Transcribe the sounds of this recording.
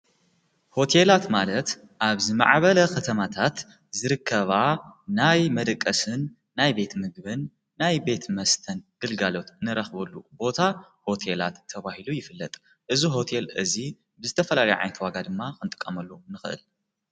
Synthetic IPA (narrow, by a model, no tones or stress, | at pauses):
ho̞t̪ʰe̞lat̪malɐt̪ | ʔaβzɨma̰ʕβɐlɐkʰɐt̪ʰɐmat̪ʰat̪ | zɨɾɨkʰːɐβanajmɐd̪ɐkʼːɐsɨnː | ajbe̞t̪mɨɡbɨnː | ajbe̞t̪mɐst̪ʰɐnɡ̥ɨlɡalo̞t̪nɨɾɐxbɐlːubo̞t̪ʰaho̞t̪ʰe̞la̰t̪ʰːɐβahilujɪfɨlːɐt̪ʼ | ʔɨziɦo̞t̪ʰe̞lʔɨzi | bɨzɨt̪ʰɐfɐlalɐjʕa̰jnt̪waɡad̪ɨmːakɨnt̪ʼɨ̥kʼːɐmɐlːunɨxɨʔɨ̰l